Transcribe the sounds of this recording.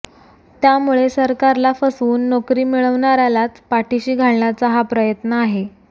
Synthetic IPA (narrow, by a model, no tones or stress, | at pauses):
t̪jamuɭesəɾkaɾlafəsuːnːokɾiːmiɭəʋɳaɾalat͡spaʈiɕiːɡʱaɭɳjat͡səɦapɾəjət̪nəaɦe